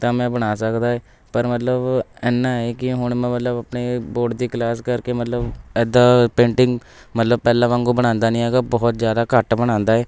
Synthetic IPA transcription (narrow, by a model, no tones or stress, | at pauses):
t̪ãːmɛ̃ːbəɽ̃aːsəkd̪aːɛː | pəɾmət̪ləbɛːnːãːɛːkɪɦʊɳmɛ̃ːmət̪ləbapneːboːʈd̪iːklaːskəɾkeːmət̪ləbɛːd̪aːpẽːɳʈɪ̃ŋɡ | mət̪ləbpɛːlãːʋãŋɡoːbəɽ̃ãːnd̪aːnĩːɦɛːɡaːbɔːt̪zjaːd̪aːkəʈbəɽ̃ãːnd̪aːɛː